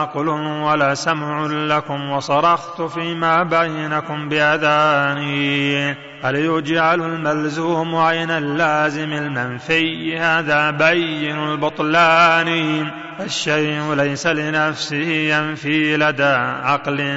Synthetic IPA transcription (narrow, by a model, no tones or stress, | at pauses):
ɑqlʊnwalaːsamʕʊlakʊmwɑsˤɑɾˤɑxt̪ʊfiːmaːbajːɪnakʊmbɪʔaðaːnɪjn | ʔaljʊd͡ʒʕalʊlmalzuːmʕajnalːaːzɪmalmanfɪjhaːðaːbajːɪnʊlbʊt̪ˤlaːnɪj | faʃːajʔʊlajsalɪnafsɪhɪjanfiːlad̪aːʕɑqlɪ